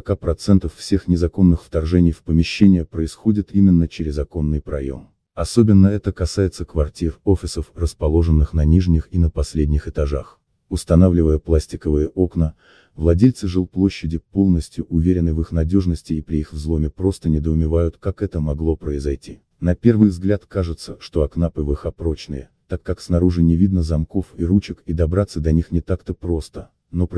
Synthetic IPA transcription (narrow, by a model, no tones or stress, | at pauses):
əɐkapɾɐt̪sɛnt̪əffsʲexnʲɪzɐko̞nːɨxft̪ɐrʐɛnʲɪjfpəmʲɪɕːenʲɪjəpɾəɪsxo̞dʲɪt̪imʲɪnːət͡ɕɪɾʲɪzɐko̞nːɨjpɾɐjo̞̰m | ɐso̞bʲɪnːəɛt̪əkɐsajɪt̪səkvɐrtʲirofʲɪsəfrəspɐlˠo̞ʐɨnːɨxnɐnʲiʐnʲɪxinəpɐsʲlʲedʲnʲɪxɨt̪ɐʐax | ʊst̪ɐnavlʲɪvəjəplˠasʲtʲɪkəvɨjəʔo̞knə | vlˠɐdʲelʲt̪sɨʐɨlˠplˠo̞ɕːɪdʲɪpolˠnəsʲtʲjʊʔʊvʲeɾʲɪnːɨvɨxnɐdʲo̞ʐnəsʲtʲɪːpɾʲɪixvzlˠo̞mʲɪpɾo̞st̪ənʲɪd̪əʊmʲɪvajʊt̪kakɛt̪əmɐɡlˠo̞pɾəɪzɐjtʲi | nɐpʲe̞rvɨjvzɡlʲat̪kaʐɨt̪səʂt̪o̞ɐknapɨvɨxɐpɾo̞t͡ɕnɨjət̪akːaksnɐɾuʐɨnʲɪvʲid̪nəzɐmko̞fiɾut͡ɕɪkid̪ɐbɾat̪sːəd̪ɐnʲixnʲɪt̪akt̪əpɾo̞st̪ə | no̞p